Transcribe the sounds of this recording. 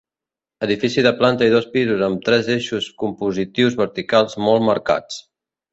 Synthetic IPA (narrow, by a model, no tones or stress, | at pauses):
əðifisiðəplant̪əiðɔspizuzəmt̪ɾɛzeʃuskumpuzit̪iwzβəɾt̪ikalˠzmɔlˠməɾka̰t͡s